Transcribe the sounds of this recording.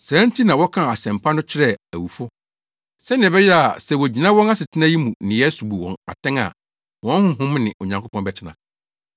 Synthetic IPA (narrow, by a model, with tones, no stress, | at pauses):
sã˦n˦tʰi˦nã˨wɔ˦kʰã˦˨a˨sɛ̃˨mpʰa˦nʊ̃˦t͡ɕʰɪ˦ɾɛ˦æ˨wu˨fʊ˦ | sɛ˦nɪ̃˨bɛ˦jɛ˦a˨sɛ˨wɔ˨d͡ʑi˨nã˦wɔ̃˦na˦sɪ˨tʰɪ˦na˦ji˦mũ˨nɪ̃˨jɛ˦su˨bu˨wɔ̰̃˨na̰˨tʰɛ̃˦ŋa̰˨ | wɔ̃˦n˦hʊ̃˦ɦʊ̃˦m˦nɪ̃˨ʔo˨ɲã˨ŋkʰo˦pʰɔ̃˦nbɛ˨t͡ɕʰɪ˦nã̰˨